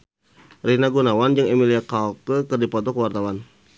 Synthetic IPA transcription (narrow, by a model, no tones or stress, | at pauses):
rinaɡunawand͡ʒɨŋemiliakalkəkɨrdipɔt̪ɔkəwart̪awan